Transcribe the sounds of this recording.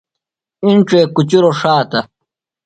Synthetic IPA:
iɳʈ͡ʂeːkut͡ɕiɾoʂaːt̪ɐ

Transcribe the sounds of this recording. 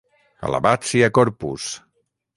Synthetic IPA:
ə̰la̰βat͡siakɔɾpus

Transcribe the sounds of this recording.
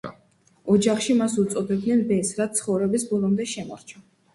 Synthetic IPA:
ɔd͡ʒaχʃimasut̪sʼɔd̪ɛb̚d̪nɛnbɛsɾat̪sʰχɔvɾɛbisbɔlˠɔmd̪ɛʃɛmɔ̰ɾt͡ʃʰɔ

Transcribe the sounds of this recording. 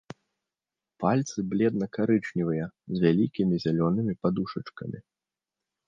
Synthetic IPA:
palʲt̪sɨblʲɛd̪nɐkaɾɨt͡ʂnʲivɐjɐzʲvʲalʲikʲimʲizʲalʲɔnɨmʲipad̪uʂɐt͡ʂkɐ̰mʲi

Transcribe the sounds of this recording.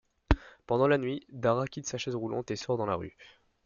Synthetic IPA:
pɑ̃d̪ɑ̃lanɥid̪aʁakʲit̪saʃɛzʁulɑ̰̃t̪esɔʁd̪ɑ̃la̰ʁy

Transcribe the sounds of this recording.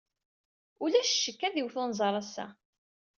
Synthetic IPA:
ʊlæʃʃːəkːæðiwθʊnzˤɑɾˤæsːæ̰

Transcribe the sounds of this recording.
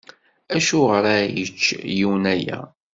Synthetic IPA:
æʃuʁɾæjət͡ʃːjiwnæjæ̰

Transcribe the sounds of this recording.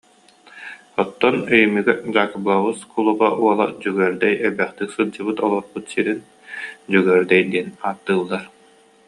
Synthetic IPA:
ɔt̪ːɔnœjymyɡɛd͡ʑaːkɯblˠaβɯskʰulˠuʁaʔuɔlˠad͡ʑyɡœɾd̪ɛjɛbɛχt̪iksɯlˠd͡ʑɯbɯt̪ɔlˠɔɾbut̪siɾin | d͡ʑyɡœːɾd̪ɛjd̪iɛnaːt̪ːɯːlˠːaɾ

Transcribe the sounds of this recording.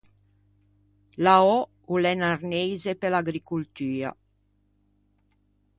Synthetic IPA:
laɔ | ulɛnarnejzepelaɡɾikult̪yːa̰

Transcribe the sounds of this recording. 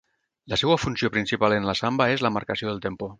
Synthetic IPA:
lasɛwafunsijopɾinsipalenlasambaezlamaɾkasioðelˠt̪empo

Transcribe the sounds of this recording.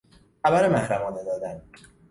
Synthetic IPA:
xæbæɾemænfæmɒːned̪ɒːd̪æn

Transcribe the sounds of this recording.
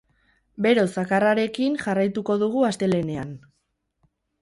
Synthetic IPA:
be̞ɾo̞sakaraɾe̞kinʝarajt̪uko̞ðuɣuast̪e̞le̞ne̞an

